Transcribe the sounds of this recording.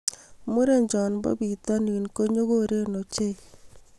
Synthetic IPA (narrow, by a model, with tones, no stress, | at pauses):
mu˦ɾe˦ɲd͡ʒɔ˨nbɔ̰˦bi˨t̪ɔ˦ni˨nko˦ɲo˦ko˦ɾe˦no˨t͡ʃe˦˨